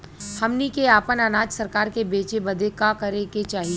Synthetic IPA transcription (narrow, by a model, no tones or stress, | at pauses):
hɐmnikeaːpənənaːd͡ʒsɐɾkaːɾkebeːt͡ʃebɐd̪ʱekakɐɾeket͡ʃaːɦie